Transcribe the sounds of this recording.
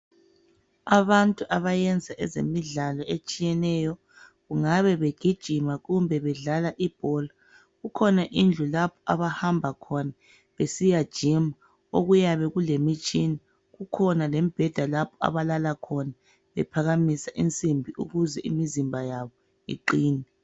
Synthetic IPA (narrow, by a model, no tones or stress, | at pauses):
aβantʼuʔaβajɛnd͡zʱaʔɛzḛmiɮalɔet͡ʃʼijɛnɛjɔ | ɣuŋaβɛβeɡ̥ʱid̥ʒ̥ʱimaɣumbʱɛβɛɮalaʔib̥ʱɔla | ɣukʰɔnaʔind͡ɮʱulapʰɔ̥ʔaβahambʱakʰɔna | βesijad̥ʒ̥ʱima | oɣujaβɛɣulemit͡ʃʼini | ɣukʰɔnalɛmib̥ʱɛd̥ʱalapʰɔa̰βalalakʰɔna | βɛ̰pʰaɣamisaʔint͡sʼimbʱiṵɣuzɛʔḭmizimbʱajaβɔ | ḭǃiːnɛ